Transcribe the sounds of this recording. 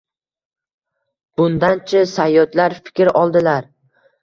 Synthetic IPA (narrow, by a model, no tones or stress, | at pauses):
b̥ʊnd̪ant͡ʃʰɪsajːɒt̪laɾfɪ̥kʲɾɒlˠd̪ɪlaɾ